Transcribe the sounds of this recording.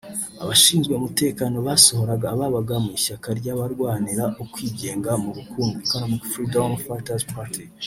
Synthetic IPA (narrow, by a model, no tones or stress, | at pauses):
a̰βaʃiːnzɡwe̞umute̞ːkaːno̞βaːso̞ho̞ɾaɡaːβaβaɡamiʃakaɾɟaβaɾɡwaːniɾaʔokwiːɟe̞ːŋɡamuβukʰuːŋɡukaɾomufɾidomfatazpaɾtʰi